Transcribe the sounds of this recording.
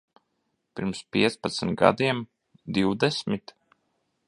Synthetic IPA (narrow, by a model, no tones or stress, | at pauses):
pʲiɾmspiɛt̪spat̪smʲɡa̰d̪iɛm | d̪iwd̪ɛsmʲit̪